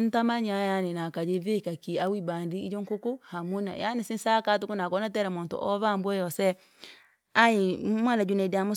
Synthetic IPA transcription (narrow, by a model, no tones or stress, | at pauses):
ntamaɲajanenakad͡ʒevekakiawibandiːd͡ʒoŋkukuhamuna̰ja̰nesinsakat̬ukunakɔnatɛɾamoːnto̰ʔɔβambwɛjɔsɛ | aimwanad͡ʒunɛdamo